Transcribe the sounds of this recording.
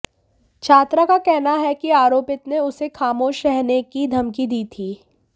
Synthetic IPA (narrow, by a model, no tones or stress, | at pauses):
t͡ʃʰaːt̪ɾakakɛɦnaɦɛkiaːɾoːpɪt̪neʊsexaːmoːʃɾɛɦnekid̪ʱɐmkid̪iːt̪ʰiː